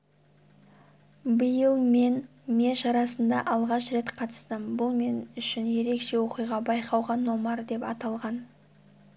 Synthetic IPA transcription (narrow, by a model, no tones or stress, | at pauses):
bəjəlˠme̞n | me̞ʃɑɾɑsənd̪ɑʔɑlˠʁɑʃɾe̞t̪qʰɑt̪ə̥st̪əmbʊlˠme̞nʏʃɪnje̞ɾe̞kʃe̞wo̞qijʁɑbɑjqɑwʁɑnːomɑɾd̪e̞pɑt̪ɑlˠʁɑn